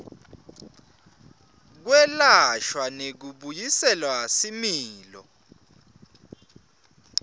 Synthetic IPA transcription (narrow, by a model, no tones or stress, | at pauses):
k̬wɛlaʃwanek̬uɓujisɛlwasimiːlɔ̰